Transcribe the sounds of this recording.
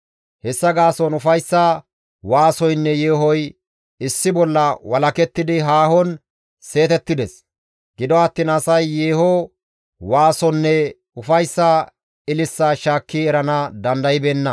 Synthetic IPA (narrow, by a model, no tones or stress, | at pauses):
hɛsːɐɡaːsɔnʊfɐjsːɐ | waːsɔjnːɛjeːɦɔj | ɪsːɪbɔlːɐwɐlɐkɛt̪ːɪd̪ɪɦaːhɔn | se̞ːt̪ɛt̪ːɪd̪ɛs | ɡɪd̪ɔɐt̪ːiːnɐsɐjːeːhɔ | waːsɔnːɛ | ʊfɐjsːa | ɪlɪsːaːʃaːkːiɛɾɐnɐd̪ɐnd̪ɐjɪbeːnːɐ